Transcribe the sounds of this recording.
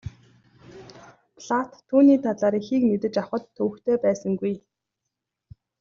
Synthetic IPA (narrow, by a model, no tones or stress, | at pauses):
pʰɮat̪ʰːuːniːt̪ʰat̪ɮaːɾixiːkmet̪ɘ̆t͡ɕawχə̆t̪ʰːɵw̆kt̪ʰeːpæːsə̆ŋɡuj